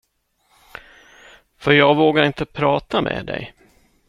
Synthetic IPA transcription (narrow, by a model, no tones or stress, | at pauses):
fœɾjɑːɡvoːɡaɾɪnt̪əpʰɾɑːt̪amʔḛːd̪ɛ̰j